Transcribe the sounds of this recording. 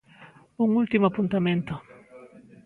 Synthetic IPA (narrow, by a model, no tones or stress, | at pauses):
uŋult̪imoapunt̪amẽnt̪ʊ